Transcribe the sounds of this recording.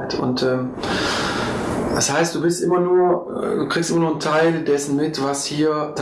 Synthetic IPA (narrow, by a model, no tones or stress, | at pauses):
ɪtʰʊ̰ntʔɛːm | d̥ashaɪst̚d̥uːbɪstʔɪmɐnuːɐ̰duːkiːkstʔɪmɐnuːntʰaɪldɛsn̩mɪtv̥ashiːɐt